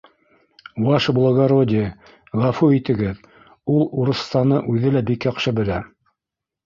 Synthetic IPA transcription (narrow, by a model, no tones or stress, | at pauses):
wɑʃblˠoɡoɾod̪ʲɪ | ʁɑfuit̪ɘ̆ɡɘð | ulˠuɾɤ̆st̪ɑnɤʔʉðɘlæbikjɑqʃɤbɘ̆læ